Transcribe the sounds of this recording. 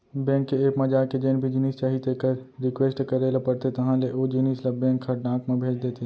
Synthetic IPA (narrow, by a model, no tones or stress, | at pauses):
bɛ̃ːkːeeːkmɐ̃d͡ʒaːked͡ʒeːnbʱid͡ʒɪniːst͡ʃaːɦit̪ekəɾɾɪkweːsʈkɐɾeːlapɐɾt̪et̪ɐɦãleʔoːd͡ʒɪniːslɐbɛ̃ːkʰːɐɖãːkmẽbʱeːd͡ʒd̪eːt̪e